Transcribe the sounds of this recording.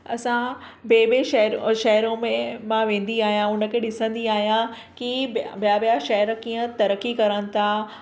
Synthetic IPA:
ɐ̰sãbeːbeʃɐɾʃɐɦɾõmẽmãʋẽːn̆d̪iaːɦjãʊnə̆kʰeːɗɪsə̃nd̪iaːɦijã | kibijabijaʃɐɦɪɾkiːə̃t̪ɐɾəkikɐɾəñɪ̆t̪ʰa

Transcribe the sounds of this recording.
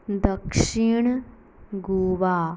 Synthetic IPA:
d̪ɐkʂiɳ | ɡuːʋaː

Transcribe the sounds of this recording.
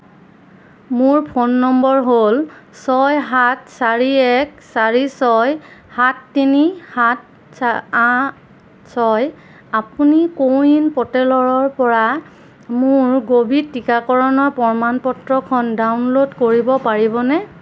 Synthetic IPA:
mʊɹpʰonːɔmbɔɹɦolsɔjɦatsaɹiɛksaɹisɔjhatːinihat̚ | saa | sɔj | apunikoinpɔtɛlɔɹɔɹpɔɹa | mʊɹɡobʱitːikakɔɹɔnɔɹpɔɹmanpɔtɹɔkʰɔndawnlodkoɹibɔpaɹibɔnɛ

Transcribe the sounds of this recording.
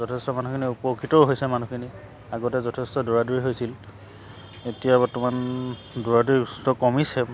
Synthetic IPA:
zɔtʰɛstɔmanukʰiniupokʰitɔʊɦojsɛmanukʰini | aɡɔtɛzɔtʰestɔdoɹaduɹiɦojsil | etijabɔtuman | doɹaduɹistɔkɔmisɛ

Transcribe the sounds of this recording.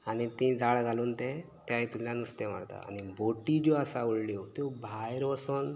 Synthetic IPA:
anit̪ĩd̪aɭɡʱalunt̪et̪jajt̪umlanust̪em̤a̰ɽt̪a̰a̰niboʈid͡ʑoasauɭljot̪ubʱajɾʋəson

